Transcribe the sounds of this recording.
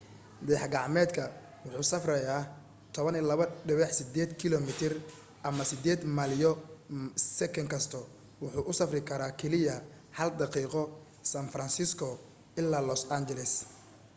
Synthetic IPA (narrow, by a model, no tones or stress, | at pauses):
d̪ɛːħɡɑʕmɛːd̪kʰɐ | wʊħuːsɐfrɐjaː | t̪ʰɔβɐnilɐβɐɖɪβɛħsɪd̪ɛːd̪kʰɪlɔmɪt̪ʰɪr | ʔɐmɐsɪd̪ɛːd̪malɪjɔ | sɛkʰɐŋkʰɐst̪ʰɔ | wʊħuːʔʊsɐfrɪkʰɐɾaːkʰɛlɪjɐ | hɐld̪ɑqiːqɔ | saːnfɾɐnsɪskʰɔ | ɪlːaːlɔsand͡ʒɛlɛs